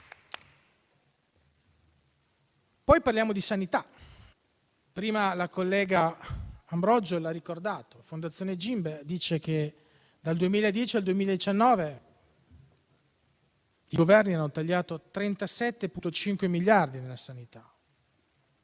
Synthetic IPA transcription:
pɔjparljaːmod̪isanit̪a | pɾiːmalakolːɛːɡaː | mbɾɔd͡ʒolarikord̪aːt̪ofond̪at̪sːjoːned͡ʒimbed̪iːt͡ʃek̟e | d̪ald̪uemiːlaed̪jɛːt͡ʃiald̪uemiːlaed̪it͡ʃanːɔːve | iɡovɛrnianːot̪aʎːaːt̪ot̪ɾent̪asɛt̪ːeput̪ot͡ʃiŋkwemilːjard̪inelːasanit̪a

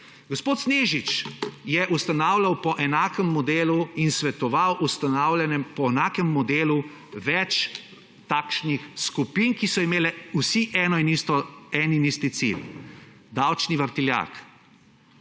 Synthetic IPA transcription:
ɡospoːt̪sneːʒit͡ʃjɛʔust̪anaːwlawpɔʔɛnaːkɛmːɔd̪eːluinsʋɛt̪ɔʋawʔust̪aawlɛnɛmpɔɛnaːkɛmːɔd̪eːlu | ʋɛt͡ʃ | t̪aːkʃnixskupinkisɔimeːlɛusiʔɛːnɔinist̪ɔɛːninist̪it̪sḭl | d̪awt͡ʃniʋəɾt̪ilja̰k

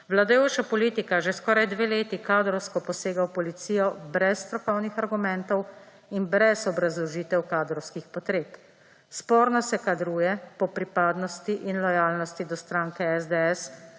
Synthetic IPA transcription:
ʋlad̪ajoːt͡ʃapɔliːt̪ikaʒeskɔːɾajd̪ʋeːleːt̪ikaːd̪ɾɔwskɔpɔseːɡawpɔlit̪siːjɔbɾɛsːt̪ɾɔkɔwnixaɾɡumɛnt̪ɔw | inbɾɛzɔbɾazlɔʒiːt̪ɛwkaːd̪ɾɔwskixpɔt̪ɾeːp | spɔːɾnɔsɛkad̪ɾuːjɛpɔpɾipaːd̪nɔst̪iʔinlɔjaːlnɔst̪id̪ɔst̪ɾaːŋkɛɛzd̪eɛs

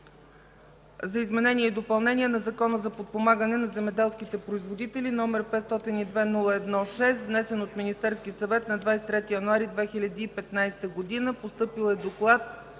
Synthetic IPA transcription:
zɐizmɛnɛniɛid̪opɐlˠnɛniɛnɐzɐkɔnəzɐpot̪̚pomaɡənɛnɐzɛmɛd̪ɛlˠskit̪ɛpɾoizvod̪it̪ɛlʲinɔmɛɾpɛt̪st̪ɔt̪inid̪vɛnulˠəɛd̪nɔʃɛst̪vnɛsɛnot̪minist̪ɛɾskisɐvɛt̪nɐd̪vajsɛt̪ɾɛt̪ijɐnuaɾid̪vɛxilʲɐd̪iːpɛt̪najst̪əɡod̪inəpost̪ɤpilˠɛd̪oklˠat̪

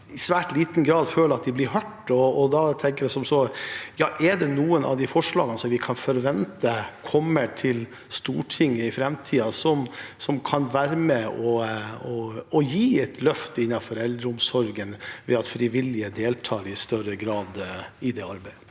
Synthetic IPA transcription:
ɪsʋæːʈliːt̪n̩ɡɾɑːd̪føːləɾɑt̪̚d̪ɪblɪɾɦœʈːɔːd̪ɑt̪ʰɛŋkəɾjæɪsɔmsɔjɑːʔɛɖɛnuːənʔɑ̰ʋd̪ɪfɔʂɭɑːɡənəsɔmʋɪkʰɑnfɔɾʋɛnt̪əkʰɔmːəʈʰɪl | st̪ṵːʈʰɪŋːəɪfɾɛmt̪ʰiːɑsɔmsɔmkʰɑnʋæːɾəmɛɔɔɔjiːɛt̪ʰlœft̪əɪnːɑfɔɾɛld̪ɾəʊmsɔɾɡənʋɛ̰ɑt̪fɾɪʋɪlɪəd̪eːlt̪ʰɑːɾɪst̪œɾəɡɾɑːd̪ɪd̪ɛɑɾbæɪ

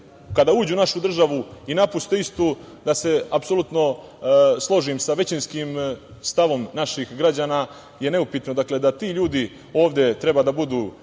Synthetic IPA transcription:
kad̪auːd͡ʑunaʃud̪r̩ʒaʋuinapust̪eist̪u | d̪ase̞apso̞lut̪no̞ | slˠo̞ʒimsaʋe̞t͡ɕinskimst̪aʋo̞mnaʃixɡɾad͡ʑaːna | je̞ne̞upit̪no̞d̪akle̞d̪at̪iːʎuːd̪i | o̞ːʋd̪e̞t̪ɾe̞baːd̪abud̪uː

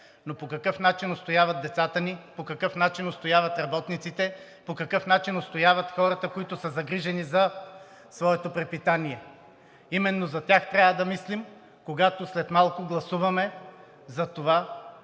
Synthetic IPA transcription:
nopokɐkɤfn̪at͡ʃinost̪ojavɐd̪̚d̪ɛt̪sat̪ənipokɐkɤfnat͡ʃinost̪ojavɐt̪ɾɐbɔt̪nit̪sit̪ɛ | pokɐkɤfn̪at͡ʃinost̪ojavɐt̪xɔɾɐt̪əkoit̪ʊsɐzɐɡɾiʒɛnizɐ | svɔɛt̪opɾɛpit̪aniɛ | imɛnːozɐt̪ʲjaxt̪ɾʲavəd̪ɐmislim | koɡat̪oslɛt̪malˠkʊɡlˠɐsuvɐmɛ | zɐt̪ova

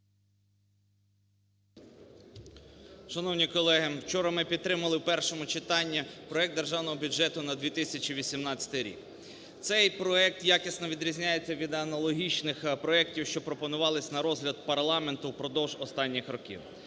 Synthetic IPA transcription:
ʃɐnɔwnʲikɔlˠɛɦɪwt͡ʃɔɾɐmɪpʲit̪t̪ːɾɪmɐlˠɪwpɛrʃɔmʊt͡ʃɪt̪ɑnʲːipɾɔɛk̚d̪d̪erʒɑwnɔɦɔbʲʊd͡ʒɛt̪ʊnɐd̪ʲʋʲit̪ɪsʲɐt͡ʃiʋʲisʲimnɑt͡sʲɐ̥t̪ɪjɾʲḭk | t̪sɛjpɾɔɛk̚t̪jakʲisnɔʋʲid̪ɾʲizʲnʲajet͡sʲːɐʋʲid̪ɐnɐlˠɔɦʲit͡ʃnɪxpɾɔɛk̚tʲiwʃt͡ʃɔpɾɔpɔnʊʋɑlˠɪsʲnɐɾɔzɦlʲɐd̪̚pɐɾlˠɑment̪ʊwpɾɔd̪ɔwʒɔst̪ɑnʲːixɾɔkʲḭw

